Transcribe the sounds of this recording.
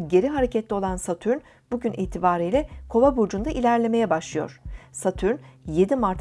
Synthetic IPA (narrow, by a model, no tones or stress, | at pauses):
ɟe̞ɾiɦaɾe̞cʰɛt̪ʰlʲɛo̞lˠansat̪ʰyɾn | buɟynʔiːt̪ʰibaːɾijlʲɛkʰo̞vabuɾd͡ʒund̪aʔilʲæɾlʲe̞me̞jɛbaʃlˠɯjo̞̰ɾ̥sat̪ʰyɾnje̞d̪imaɾt̪ʰ